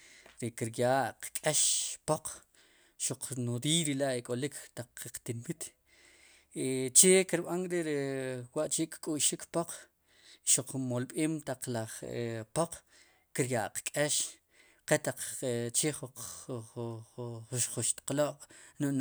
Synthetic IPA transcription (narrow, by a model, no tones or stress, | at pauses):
ɾekiɾjaʔqkʼeʃpoq͡χ | ʃuq͡χnuɾijɾilaʔekʼolikʰt̪aq͡χːeqt̪inmit̪ | t͡ʃekiɾɓanɾeɾewaʔt͡ʃeʔkkʼuʃikpoq͡χ | ʃuq͡χmolɓeːmt̪aq͡χlaχḛpoq͡χ | kiɾjaʔqkʼeʃ | qet̪aq͡χt͡ʃeχu | ʃχuʃt̪ḁqloʔʼnuʔn